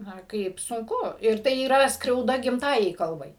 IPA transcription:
ˈnɐ ˈkɐɪp sʊŋˈkʊ ɪr ˈtɐɪ iːˈrɐ skrʲɛʊˈdɐ ɡʲɪmˈtɑːjɛɪ ˈkɐlˠbɐɪ

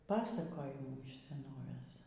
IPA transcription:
ˈpɑːsɐkoːjɪmuː ɪʃ sʲɛˈnoːʋʲeːs

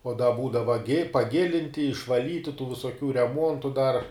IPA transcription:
oː dɐ ˈbuːdɐʋɐ ɡʲɪ pɐˈɡʲɪlʲɪnʲtʲɪ ɪʃʋɐˈlʲiːtʲɪ tuː ʋʲɪsoːˈkʲuː rʲɛˈmuɔntʊ dɐr

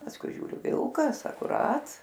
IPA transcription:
pɐsˈkʊɪ ˈʒʲuːrʲʊ ˈʋʲɪlˠkɐs ɐkʊˈrɐt

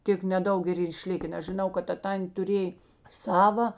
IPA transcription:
ˈtʲeːk nʲɛˈdɐʊk ɪr ˈiːr ɪˈʃʲlʲɪkʲɛn nʲɛs ʒʲɪˈnɐʊ kɐt ˈtɐ ˈtɐnʲtʲeː tʊˈrʲeːj ˈsɑːʋɐ

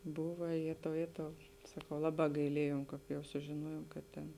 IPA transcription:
ˈbʊʋɐ ˈjeːtɐʊ ˈjeːtɐʊ sɐˈkɐʊ ˈlˠɑːˌbɑː ɡɐɪˈlʲiɛjoːm ˈkɑːp jɛʊ sʊʒʲɪˈnuɔjoːm kɐt ˈtʲeːn

